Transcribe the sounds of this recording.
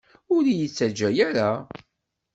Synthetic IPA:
ʊɾijət͡sːæd͡ʒːæjæɾa

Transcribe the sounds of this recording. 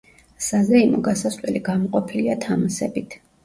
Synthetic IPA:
sazɾɛinɔɡasaslɛliɡamɔqʼɔpʰiliat̪ʰamasɛbit̪ʰ

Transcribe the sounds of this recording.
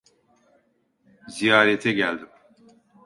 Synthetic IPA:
zijaːɾɛt̪ʰɛɟælʲd̪im

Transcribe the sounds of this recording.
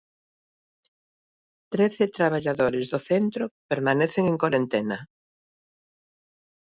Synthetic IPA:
t̪ɾeθɪt̪ɾaβ̞aʎaðoɾɪzðoθent̪ɾopeɾmaneθeŋeŋkwaɾent̪ɛnɐ

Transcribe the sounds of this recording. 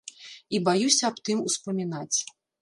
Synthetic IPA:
ibajusʲɐːpt̪ɨmuspɐmʲinat͡sʲ

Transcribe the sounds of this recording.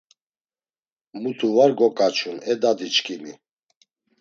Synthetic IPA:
mut̪ʰuvaɾɡɔkʼat͡ʃʰunɛd̪ad̪it͡ʃkʰʼini

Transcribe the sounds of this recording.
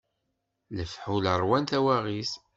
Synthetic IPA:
ləfħuləɾˤwænθæwæʁis

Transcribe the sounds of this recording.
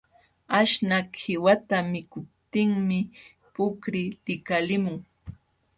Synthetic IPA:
aʃnakʰɪwat̪amɪkʊp̚t̪ɪŋmɪ | pʊkɾɪlɪkalɪmʊŋ

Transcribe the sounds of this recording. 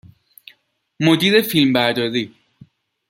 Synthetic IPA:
mod̪iːɾefilmbæɾd̪ɒːdiː

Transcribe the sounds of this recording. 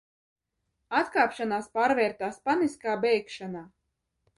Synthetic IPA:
at̪kaːpʃanaːspaːɾvʲɛːɾt̪aːspaniskaːbʲɛjkʃanaː

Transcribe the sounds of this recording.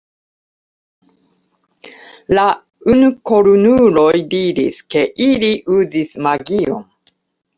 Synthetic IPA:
la | unuko̞ɾunulo̞jdiɾiske̞ʔiliʔuzismaɡio̞̰n

